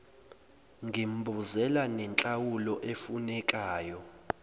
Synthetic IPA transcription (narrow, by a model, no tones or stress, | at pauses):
ŋɡʱim̩bʱuzɛlanɛnt͡ɬʼawulɔʔefunɛkʼaːjɔ